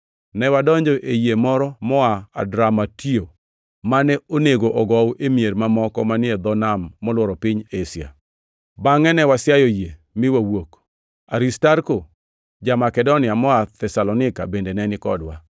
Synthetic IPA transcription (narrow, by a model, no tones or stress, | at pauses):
nɛwadɔɲd͡ʒɔʔejemɔɾɔmɔaa̰dɾamatio | manɛoneɡoʔɔɡɔwʔemieɾmamɔkɔmanɪed̪ɔnamːɔlwɔɾɔpiɲesja̰ | baŋɛnɛwasjajoje | mɪwawok | aɾistaɾko | d͡ʒamakɛdonɪamɔat̪ɛsalɔnɪka̰bendenɛnɪkɔdwa̰